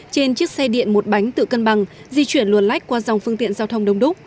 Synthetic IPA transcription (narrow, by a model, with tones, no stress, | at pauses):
t͡ɕe˧nt͡ɕɨ˦˥ək̚sɛ˧ɗḭ˧˨ənmo˨˩t̚ɓa˨˦jŋ̟t̪ɨ̰˧˨kə˧nɓa˨˩ŋ | zi˧t͡ɕwi˧˩ənlu˨˩ənla˦˥jk̟̚kwaː˧za˨˩wŋ͡mfɨ˧əŋt̪ḭ˧˨ənzaː˧wt̪ʰə˧wŋ͡mɗə˧wŋ͡mɗʊ˦˥kk͡p̚